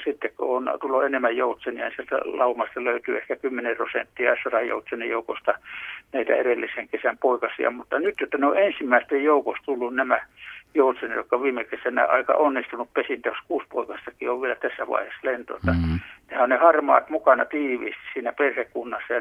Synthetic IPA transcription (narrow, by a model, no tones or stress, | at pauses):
sit̪ːekko̰ont̪ulːoenemːæjjout̪senihæ̰nsielt̪æ̰lɑumɑst̪ɑløyt̪yehkækymːenerosent̪ːiɑesɑrɑjo̰ut̪senːejoukost̪ɑnæit̪æ̰erelːiseŋkesæmpoikɑsḭɑ̰mut̪ːɑnyt̪jot̪ːɑneoensimːæist̪ejjoukost̪ulːunnæmæjout̪senejokːɑʋiːmekesænæ̰ɑ̰ikɑ̰ʔonːist̪unuppesint̪æjoskuːspoikɑst̪ɑkioʋʋielæt̪æsːæʋɑ̰iheslent̪o̰et̪ːɑnehæonnehɑrmɑ̰ːt̪mukɑnɑt̪iːʋḭːst̪issiːnæperhekːunːɑsːɑjɑ